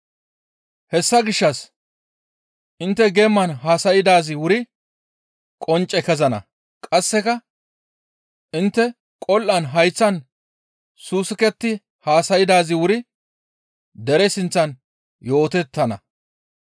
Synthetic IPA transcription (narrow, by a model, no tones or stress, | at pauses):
hɛsːɐɡɪʃːɐs | ʔɪnt̪ːɛɡɛmːɐnɦaːsɐjɪd̪aːzɪwʊɾɪ | kʼɔnt͡ʃʼːɛkɛzɐnɐ̰ | kʼɐsːɛkɐ | ʔɪnt̪ːɛ | kʼɔlʔɐnɦɐjt͡sːɐn | suːsɪkɛt̪ːɪ | haːsɐjɪd̪aːzɪwʊɾɪ | d̪ɛɾɛsɪnt͡sːɐn | jo̞ːt̪ɛt̪ːɐnɐ̰